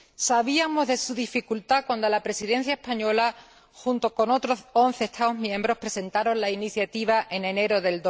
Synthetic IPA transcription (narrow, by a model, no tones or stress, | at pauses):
saβiamo̞zðe̞suðifikult̪akwand̪olapɾe̞siðe̞n̟θjae̞hpaɲo̞la | xunt̪o̞ko̞no̞t̪ɾoo̞n̟θe̞ːst̪aozmjẽ̞mbɾo̞pɾe̞se̞nt̪aɾo̞nlainiθjat̪iβ̞aʔe̞nẽ̞ne̞ɾo̞ðe̞ld̪o